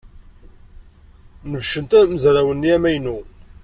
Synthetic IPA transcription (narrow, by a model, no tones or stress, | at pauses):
nəvʃənt̪æməzɾawənːiæmæjnu